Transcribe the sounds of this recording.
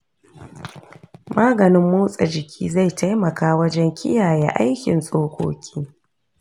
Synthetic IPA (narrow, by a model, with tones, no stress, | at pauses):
maː˦ɡɐ˨nɪ˦mːuː˦sʼa˨d͡ʒɪ˨kʲʰḭː˦za˦˨jta˦jmɐ˨kaː˦wɐ˦d͡ʒɛ˦ŋkʲʰɪ̰˦jaː˨jḛ˦ʔa̰˦jkʲɪ̰˨nsʼoː˦kʷo̰ː˦kʲʰiː˦